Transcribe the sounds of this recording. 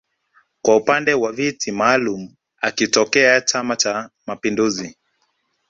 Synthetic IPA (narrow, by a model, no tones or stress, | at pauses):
kwaupandɛwavitʰimaːlum̩ | akitɔkɛat͡ʃamat͡ʃamapinduzi